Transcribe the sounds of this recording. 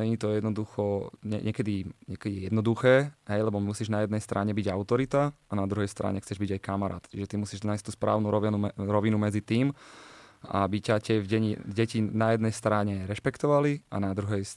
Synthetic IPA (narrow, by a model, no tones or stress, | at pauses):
ɛɲit̪ɔjɛd̪nɔd̪uxɔɲɛ̰ɲɛkɛd̪iɲɛkɛd̪ijɛjɛd̪nɔd̪uxɛːɦɛjlɛbɔmusiʒnajɛd̪nɛjst̪ɾʔaɲɛbiɟaʊt̪ɔɾit̪aanad̪ɾuɦɛjst̪ɾa̰ɲɛxt͡sɛʒbiɟajkamaɾa̰ːt̪t͡ʃiʒɛt̪imusiːʒnaːjsc̚t̪uːspɾa̰ːʊnuɾɔnuɾɔʋinumɛd͡zit̪iːm | a̰bicacɛvɟɛɲḭɟɛcinajɛd̪nɛjst̪ɾaɲɛɾɛʃpɛkt̪ɔʋalia̰nad̪ɾuɦɛjs